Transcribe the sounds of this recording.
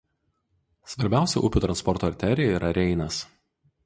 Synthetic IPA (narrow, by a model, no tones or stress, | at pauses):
sʋɐɾʲbʲæˑʊsʲɛ̰ʔʊpʲʊt̪ɾɐnspɔɾt̪oːɐɾʲt̪ʲæɾʲɪjɛiːɾʔɐɾʲɛɪnɐs